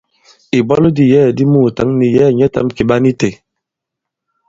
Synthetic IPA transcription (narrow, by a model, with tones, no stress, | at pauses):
i˨bɔ˦ldi˨jɛː˦˨di˦mu˦˨ta˨˦ŋni˨jɛː˦˨ɲɛ˦ta̰˨˦mki˨ba˦ni˦te˨